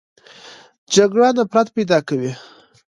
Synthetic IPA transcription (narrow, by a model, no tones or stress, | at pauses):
d͡ʒaɡɽɑnapɾat̪pajd̪ɑkawi